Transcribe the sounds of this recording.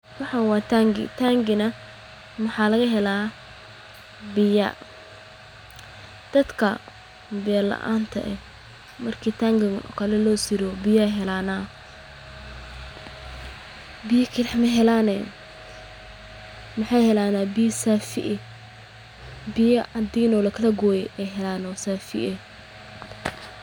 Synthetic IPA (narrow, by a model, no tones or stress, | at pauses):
wɑħɑnwɑːt̪ʰaŋɡɪ̰t̪ʰaŋɡɪnɐ | mɐħɑːlɐɣɐɦɛlaː | bɪjɐ̰ | d̪̥ɐd̪kʰɐ | bɪjɐlɐ̰ʔa̰ːnt̪ʰɐ̰ʔɛ | mɐrkʰiːt̪ʰaːŋɡɪɣnʔɔ̰kʰɐlɛlɔːsɪɾɔbɪjaɦɛlaːnaː | bɪjɐkʰɪɾɐħmɐɦɛlaːnɛ | mɐħɑjhɛlaːnaːbɪjɐsaːfɪ̰ʔɛ | bɪjɐʔɐd̪iːnɔːlɐkʰɐlɐɡɔːjɛʔɛjɦɛlaːnwsaːfɪ̰ʔɛ